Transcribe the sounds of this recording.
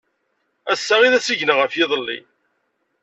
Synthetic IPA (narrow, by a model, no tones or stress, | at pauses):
æsːæʁiðæsiʝnəʁəfjɪðˤəlːḭ